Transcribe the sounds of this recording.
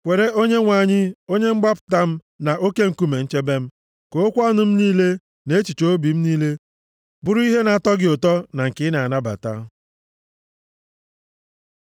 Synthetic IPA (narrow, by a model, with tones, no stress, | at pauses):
kʷe˨ɾe˦ʔo˦ɲe˦ŋʷa˨ɲɪ˦o˦ɲe˦ŋ͡m̩˦ɡ͡ba˦pʊ̥˨ta˦m̩˦ | na˨ʔo˦ke˦ŋ̩˨ku˦me˨n̩˦t͡ʃe˦be˦m̩˦ | ko˨o˦kʷɔ˦nʊ˦m̩˦niː˦le˦ | ne˦t͡ʃi˨t͡ʃo˦bi˨m̩˦niː˦le˦ | bʊ˦ɾʊ˦i˦ɦe˦na˨tɔ˦ɡɪ˦ʊ˨tɔ˦na˨ŋ̩˨kɪ˦na˨a˨na˦ba̰˨ta̰˦